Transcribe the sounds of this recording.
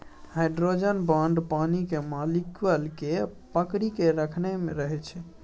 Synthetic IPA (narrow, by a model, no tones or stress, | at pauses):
hajɖɾod͡ʒənbãɳɖpanikemalikəlke | pəkɾikeɾəkʰnɛmeɾəɦɛt͡ʃʰɛ